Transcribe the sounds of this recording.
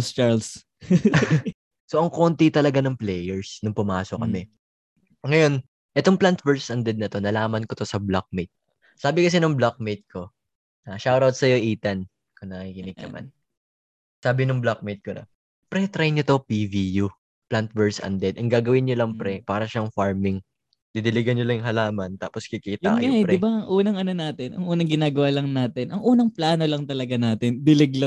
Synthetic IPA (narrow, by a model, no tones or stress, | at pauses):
st͡ʃaɹls | so̞ʔɐŋko̞nt̪it̪ɐlɐɡanɐŋplɛːjɛɹsnʊŋpʊmaːsok̚ːɐmɛ | ŋɐjo̞n | ʔɛt̪o̞ŋplant̪vɛɹssʔɐnd̪ɛd̪̚nɐt̪o̞nɐlaːmɐnkot̪o̞sɐblak̚mejt̪̚ | saːbɪkɐs̬ɛnʊŋblak̚mejt̪̚ko̞ | aʃawɾawt̪̚sɐjo̞ʔiːt̪ɐn | konɐkikɪnɪɡ̚nɐ̰ma̰n | saːbɪnʊŋblak̚mejt̪̚konɐ̰ | pɾɛt̪ɾajnɲot̪o̞piviju | plant̪̚vɛɹsɐ̰nd̪ɛd̪ʔɐŋɡaːɡɐwɪnɲolɐŋppɾɛpaːɾɐʃaŋfaɹmɪŋ | d̪̥ɪd̪ɪlɪɡɐnɲolɐŋŋɦɐlaːmɐnt̪a̰ːposkikiːt̪jʊa̰kjŋaʔɛpdɾɛɪbaʔɐŋʔuːnɐŋʔɐno̞naːt̪ɪnʔɐŋʔuːnɐŋɡɪnaːɡɐwaːlɐŋnaːt̪ɪnʔɐŋʔuːnɐŋplaːno̞lɐŋt̪ɐlɐɡanaːt̪ɪnd̪ɪlɛɡlɐ